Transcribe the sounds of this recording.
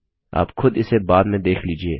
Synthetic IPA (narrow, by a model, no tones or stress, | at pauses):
a̰ːpxʊd̪ɪsebaːd̪mẽd̪eːkʰliːd͡ʒieː